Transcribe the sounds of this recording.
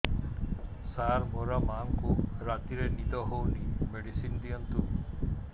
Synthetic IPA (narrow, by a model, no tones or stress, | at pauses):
saɾbʱɔɾamaŋkuɾat̪iɾenid̪ɔɦownimeɽisind̪ijɔnt̪u